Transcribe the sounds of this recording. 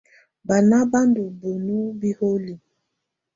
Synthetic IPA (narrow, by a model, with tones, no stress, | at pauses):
ba˨na˦ba˦ndu˨bo˨nu˦bi˦ho˦li˨